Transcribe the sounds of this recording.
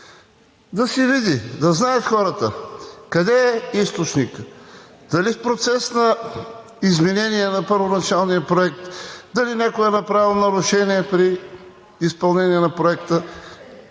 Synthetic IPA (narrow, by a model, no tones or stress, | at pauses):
d̪ɐsɛvid̪id̪ɐznajət̪xɔɾət̪ə̰kɐd̪ɛɛist̪ot͡ʃnik | d̪̥ɐlifpɾot̪sɛsnɐ | izmɛnɛniɛnɐpəɾvonɐt͡ʃalˠnijəpɾoɛk̚t̪d̪ɐlinʲakoɛnɐpɾavilˠnɐɾʊʃɛniɛpɾiː | spɐlˠnɛniɛnɐpɾoɛkt̪ə